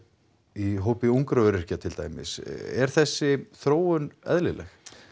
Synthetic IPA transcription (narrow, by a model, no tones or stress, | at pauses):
iɦoːwpɪuŋkɾaœɾɪ̥cat̪ʰɪlt̪a̰ːjmɪ̰sɛɾ̥θɛsːɪθɾoːwʏnɛ̰ðlɪlɛ̰x